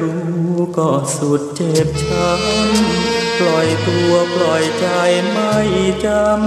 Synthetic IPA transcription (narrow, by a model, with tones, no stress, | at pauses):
ɾuː˧˦kɔː˧˩su˨˩t̪̚t͡ɕe˨˩p̚t͡ɕʰa˧˦˥mpʰlɔ˨˩jklu˧əplɔ˨˩jt͡ɕa˧jma˧˩jt͡ɕa˧m